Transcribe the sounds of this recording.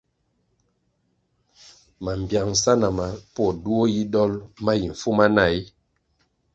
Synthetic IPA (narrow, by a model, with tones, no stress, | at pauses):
ma˨m˨bja˨ŋ̩˨sa˦na˨ma˨pɔ˦˨du˦o˦ji˦dɔ˦lma˦ji˨ɱ˨fu˦ma˦na˦˨i˦